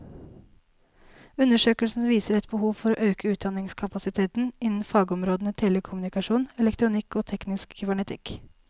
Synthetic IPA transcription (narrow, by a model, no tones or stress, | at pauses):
ʉnəʂøːkəlsn̩ʋiːsəɾɛt̪̚bəhuːʋfɔɾoːʔøːkʰəʉːt̪̚d̪ɑnɪŋskʰɑpɑsɪt̪ʰeːt̪n̩ɪnn̩fɑːɡɔmɾoːd̪ənət̪ʰeːləkʰʊmʉnɪkɑʂuːnɛlɛkt̪ɾʊnɪkːoːt̪ʰɛknɪskkʏbæɳɛt̪ʰɪ̰k